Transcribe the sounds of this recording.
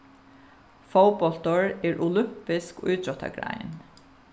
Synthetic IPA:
fowpɔlt̪ɔɹɛːɹʔʊlʏm̥pɪskʊ̰jt̪ɾɔt̪a̰ɡɹa̰j̰n

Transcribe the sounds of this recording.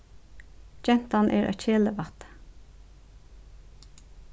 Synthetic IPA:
d͡ʒɛnt̪ɑnʔḛːɾʔo̰ːc͡çeːləʋɑt̪

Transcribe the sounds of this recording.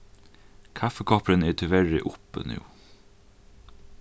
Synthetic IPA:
kʰafəkʰɔːpɾənɛt̪ʰɪʋɛɹɪ̰ʔʊpə̰nʉ̰ː

